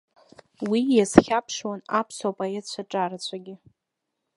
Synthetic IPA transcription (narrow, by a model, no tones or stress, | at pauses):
wijasχʲapʰʂwanapʰswapʼaett͡ɕʷʰaʈ͡ʂʼaɾat͡ɕʷʰaɡʲɪ